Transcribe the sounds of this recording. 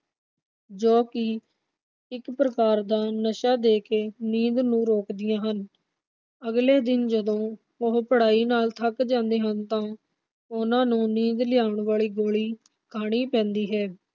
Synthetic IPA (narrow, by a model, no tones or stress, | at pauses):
d͡ʒoːkɪ | ɪkpɾəkaːɾd̪aːnəʃaːd̪eːkeːniːd̪nũːɾoːkd̪ɪjãːɦən | əɡleːd̪ɪnd͡ʒəd̪õː | ʊɦpəɽaːiːnaːlt̪ʰəkd͡ʒãːnd̪eːɦənt̪ãː | ʊnãːnũːniːd̪lɪjaːʊɳʋaːɭiːɡoːɭiː | kʰaːɽ̃iːpɛ̃ːnd̪iːɦɛː